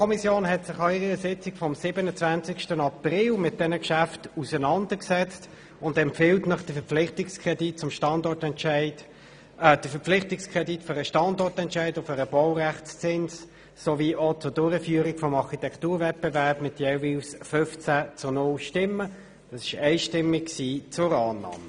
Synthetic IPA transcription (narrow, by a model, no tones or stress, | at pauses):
kʰɔmisjoːnɦɛtsɪχɑɪʁəəsɪt͡sɪkfɔmsɪbənət͡svænt͡sɪkʃtənɑpʁɪlmɪt̚d̥ɛnəkʃæftusənɑndəksɛt͡st | ʊndɛmpfɪltnəχd̥əfəpflɪχtɪkskʁɛdit̚t͡sʊmʃtɑndɔɾtɛntʃæɪd | d̥əfəpflɪχtɪkskʰʁɛditføɾəʃtɑndɔʁtɛntʃæɪdʊfəɾəb̥ɔʊʁæχt͡st͡sɪns | soviːʔot͡sʊdʊːɾəfyːəɾɪkfɔmɑʁχitɛkʰtuːɐvɛt̚b̥evɛɐpmɪt̚jɛviːlsfʏft͡sæt͡sʊnʊlʃtɪmːə | d̥ɑsɪ̥ʃɛɪʃtɪmːɪkksiːt͡sʊɾɑːnːɑ̰ːmə